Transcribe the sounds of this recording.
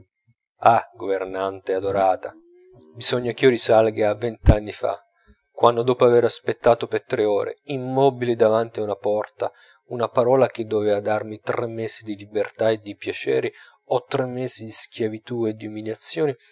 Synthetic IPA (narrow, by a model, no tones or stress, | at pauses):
aɡovernant̪ead̪oɾaːt̪a | biz̥ɔɲːak̟iːoɾisalɡaavːɛnt̪anːifa̰ | kːwanːod̪ɔːpoaveɾaspet̪ːaːt̪opert̪ɾeɔːɾḛimːɔbilid̪avant̪iaunapɔrt̪a | unapaɾɔːlak̟ed̪ːovɛːvad̪armit̪ɾʔɛmːɛːzid̪ilibert̪aed̪ːipjat͡ʃɛ̰ːɾi | ɔt̪ːɾɛmːɛːzid̪isk̟javit̪ued̪ːiumiljat̪sːjɔːni